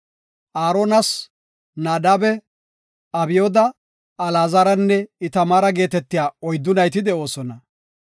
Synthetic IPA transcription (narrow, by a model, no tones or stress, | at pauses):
ʔaːɾonɐs | naːd̪abɛ | ɐbɪjoːd̪ɐ | ɐlaːzɐɾɐnːɛɪt̪ɐmaːɾɐɡe̞ːt̪ɛt̪ːɪjaːɔjd̪ːʊnɐjt̪ɪd̪ɛo̞ːsɔnɐ